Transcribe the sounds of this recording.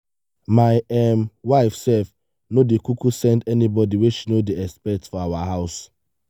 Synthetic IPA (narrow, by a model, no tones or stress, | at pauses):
maɪɛmwaɪfsɛf | nodekukusɛ̃ndɛnibɔdiweʃinodeɛspɛtfɔawaɦaʊs